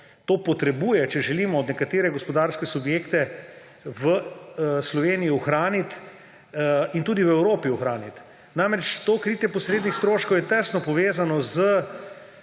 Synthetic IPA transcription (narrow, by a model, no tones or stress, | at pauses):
t̪oːpɔt̪ɾɛbuːjɛt͡ʃɛʒɛliːmɔːd̪nɛkat̪eːɾɛɡɔspɔd̪aːɾskɛsubjeːkt̪ɛ | ʋəslɔʋeːnijiuxɾaːnit̪ | int̪uːd̪iwɛwɾoːpiuxɾaːnit̪ | namɾɛt͡ʃt̪oːkɾiːt̪jɛpɔsɾeːd̪nixst̪ɾoːʃkowjɛt̪ɛst̪nɔpɔʋeːzanɔzə